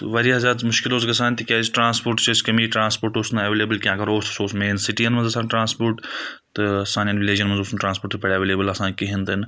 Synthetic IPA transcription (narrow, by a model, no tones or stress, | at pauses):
t̪ʋɐɾiɦɐzʲaːmʊʃkɪloːsɡɐsaːnt̪ikʲaːsʈɾãːnspoːɾʈt͡ʃɐskɐmiːʈɾãːnspoːɾʈosnɐʋeːleːbəlkʲjãːkɐɾoːst̪soːsmeːnsɪʈijɐnmɐ̃nzɐsaːnʈɾãːnspoːɾʈt̪ɨɐsaːnjɐnʋɪleːd͡ʒɐnmɐnzosnʈɾãːnspoːɾʈt̪pʰɐɽaːʋeːleːbəlɐsãːnkiɦĩnd̪ɐn